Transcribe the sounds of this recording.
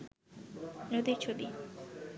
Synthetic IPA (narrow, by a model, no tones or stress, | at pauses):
nod̪it͡ɕʰobi